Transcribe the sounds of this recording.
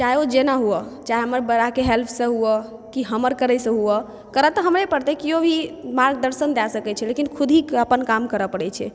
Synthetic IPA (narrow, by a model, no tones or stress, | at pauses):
t͡ʃaiod͡ʒenaɦuət͡ʃajɦəməɾbəɾakeɦelpʰsə̃ɦuə | kiɦəməɾkəɾəjsə̃ɦuə | kəɾət̪əɦəmɾepəɽt̪ekiobʱimaɾɡ̚d̪əɾsənd̪asəkɛt͡ʃʰɛlekinkʰud̪ʱikəpənkamkəɾəpəɽɛt͡ʃʰɛ̰